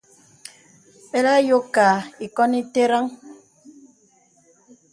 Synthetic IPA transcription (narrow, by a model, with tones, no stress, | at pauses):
ɓe˦la˦jo˦kːa˨i˨kɔ˦ni˦te˦ɾa˦ŋ